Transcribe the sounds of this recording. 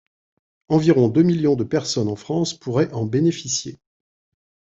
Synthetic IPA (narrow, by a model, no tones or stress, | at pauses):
ɑ̃viʁɔ̃d̪ømiljɔ̃d̪əpɛʁsɔnɑ̃fχɑ̃spʰuʁɛʔɑ̃benefisjḛ